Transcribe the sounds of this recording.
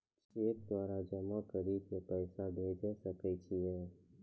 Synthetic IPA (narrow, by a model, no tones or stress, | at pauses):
t͡ʃeːk̚d̪waːɾad͡ʒəmakəɾiːd̪̚kepɛːsabʱeːd͡ʒasəkɛt͡ʃʰiɦɛː